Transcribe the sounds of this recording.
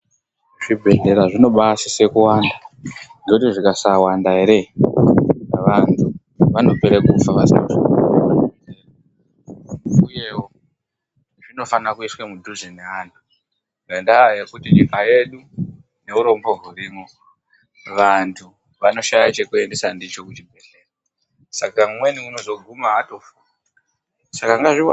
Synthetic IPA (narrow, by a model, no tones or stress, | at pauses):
ʐ̥ibʱe̞ɮe̞ɾaʐino̞ɓasise̞kuwaːndandotiʐikasawandaɦe̞ɾe̞ | ʋantʰu | ʋano̞peɾekufaʋasinoʐiae | nujewo | ʐino̞fanakuiswemudʱuzineantʰu | ɡendaje̞kutiɲikaje̞ɗu | ne̞uɾo̞mbo̞ɦuriːmo | ʋantʰu | ʋano̞ʃajat͡ʃe̞kue̞nde̞sandit͡ʃo̞kutibʱe̞ɬera | sakamwe̞niuno̞zo̞ɡʱumaato̞fu | a | sakaŋɡaʐi